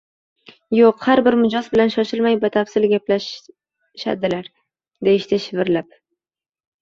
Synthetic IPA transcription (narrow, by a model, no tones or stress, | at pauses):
joqhaɾbɪɾmʊd͡ʒɒzbɪlanʃɒʃɪlmajvat̪ʰafsɪlɡʲaplaʃ | ʃa̰d̪ɪlaɾ | d̪eɪʃt̪ʰɪʃɪvɪɾlap̚